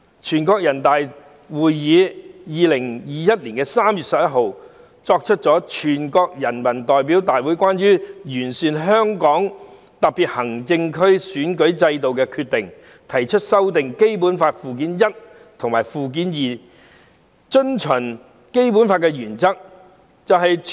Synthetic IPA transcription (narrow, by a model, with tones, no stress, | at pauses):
t͡ʃʰyː˨˩nkɔː˧k̚jɐ˨˩nt̪aː˨j | wuː˨jjiː˨˧jiː˨˧lɪ˨˩ŋjiː˨jɐ˥t̚liː˨˩nkɛː˧saː˥mjy˨t̚sɐ˨p̚jɐ˥t̚ɦo˨˧w | t͡sɔː˧k̚t͡ʃʰɵ˥t̚t͡ʃɔː˨˥t͡ʃʰyː˨˩nkɔː˧k̚jɐ˨˩nmɐ˨˩nt̪ɔː˨jp̬i˨˥wt̪aː˨jwuː˨˥jkʷaː˥nɥyː˥jyː˨˩nsyː˨nɦœː˥ŋkɔː˨˥ŋ | t̪ɐ˨k̚piː˨t̚hɐ˨˩ŋt͡sɪ˧ŋkʰɵ˥ɥsyː˨˥nkɵ˨˥ɥt͡sɐ˧jt̪̬o˨wkɛː˧kʰyː˧t̪̚ɪ˨˩ŋ | t̪ʰɐ˨˩jt͡ʃʰɵ˥t̚sɐ˥wt̪ɪ˨ŋke˥jp̬uː˨˥nfaː˧t̚fuː˨˩k̬iː˨˥njɐ˥t̚ | t̪ʰʊ˨ŋmaː˨˩jfuː˨k̬iː˨˥njiː˨˩ | t͡ʃɵ˥nt͡ʃʰɵ˨˩n | ke˥jp̬uː˨˥nfaː˧t̚kɛː˧jyː˨˩nt͡sɐ˥k̚ | t͡sɐ˨wɦɐ˨j